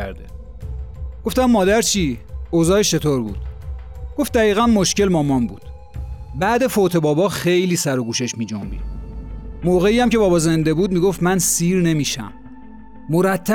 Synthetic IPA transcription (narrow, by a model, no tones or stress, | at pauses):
æɾd̪e | ɡ̥o̞ft̪æmːɒːd̪æɾt͡ʃʰiːozɒːheʃt͡ʃʰe̞t̪ʰoɾbṵːd̪̥ɡ̥o̞ft̪̚d̪æɣiːɣænmo̞ʃce̞lmɒːmɒnbuːd̪̥ | bæːd̪e̞fot̪ʰe̞bɒːbɒːxejliːsæɾoɡuːʃe̞ʃmiːd͡ʒo̰mbḭd̥̪ | moɣe̞iːjæmcʰe̞bɒːbɒːze̞nd̪e̞buːd̪̚miːɡoft̪mænsiːɾne̞miːʃæ̰mː | oɾæt̪ʰːæ